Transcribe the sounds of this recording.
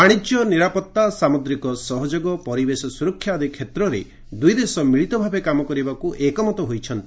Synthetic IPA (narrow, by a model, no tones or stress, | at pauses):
aɽ̃id͡ʒjɔniɾapɔt̪ːasamod̪ɾikɔsɔɦɔd͡ʒoɡɔpɔɾibesɔsuɾɔkʰːjad̪ʱikʰːet̪ɾɔɾḛ | d̪ujd̪esɔmiɭit̪ɔbʱabekamɔkɔɾibakuʔekɔmɔt̪ɔɦojt͡ʃʰɔnt̪i̥